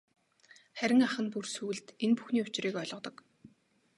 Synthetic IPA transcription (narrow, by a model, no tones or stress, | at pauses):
χæɾʲɪ̆ŋaχə̆npursŭːɮt̪enpu̥xniːʊt͡ɕriːkœɮʁɞ̆t̪ɞ̆k